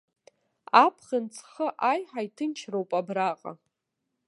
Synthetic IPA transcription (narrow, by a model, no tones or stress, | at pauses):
apʰχɪnt͡sʰχəʔajħajtʰɨnt͡ʃʰrowpʼabraqʼa̰